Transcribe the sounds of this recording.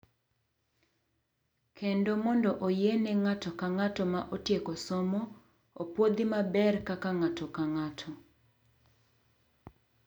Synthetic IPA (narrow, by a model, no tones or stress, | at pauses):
kʰendomɔndɔʔojenɛŋatɔkaŋatɔmaʔotjekɔsɔmɔ | opwod̪ɪmabɛrkakaŋatɔkaŋatʰɔ